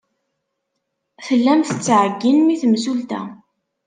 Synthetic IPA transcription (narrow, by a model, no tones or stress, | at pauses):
θəlːæmθət͡sːʕəɡːinmiθmzult̪æ̰